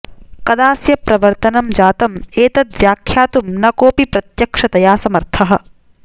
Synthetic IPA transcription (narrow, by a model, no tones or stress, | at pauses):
kɐd̪aːsjɐpɾɐʋɐɾt̪ɐnɐmd͡ʒaːt̪ɐmeːt̪ɐd̪ʋjaːkʰjaːt̪umnɐkoːpipɾɐt̪jɐkʂɐt̪ɐjaːsɐmɐɾt̪ʰɐɦɐ̆